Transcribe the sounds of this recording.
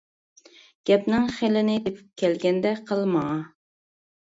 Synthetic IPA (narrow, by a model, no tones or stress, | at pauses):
ɡ̥ʲɛpnɪŋχelɪnɪd̪epʰy̥p̚kʲʰɛlɡʲɛnd̪ɛqʰəlˠmɑŋɑ